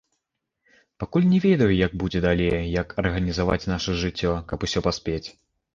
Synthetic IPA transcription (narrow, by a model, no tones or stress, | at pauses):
pakulʲnʲɛvʲɛd̪ɐjujɐɡ̚bud͡zʲɛd̪alʲejjɐkʰɐrɣɐnʲizava̰t͡sʲnaʂɐʐɨt͡sʲːɔkɐpusʲɔpasʲpʲet͡sʲ